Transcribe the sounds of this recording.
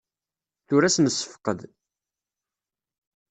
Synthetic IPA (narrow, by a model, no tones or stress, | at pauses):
θʊɾæsnəsːə̥fqəd̪